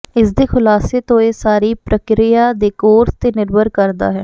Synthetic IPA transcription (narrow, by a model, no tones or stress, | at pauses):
ɪsd̪eːkʰʊlaːseːt̪õːeːsaːɾiːpɾəkɾɪjaːd̪eːkoːɾst̪eːnɪɾbəɾkəɾd̪a̰ːɦɛː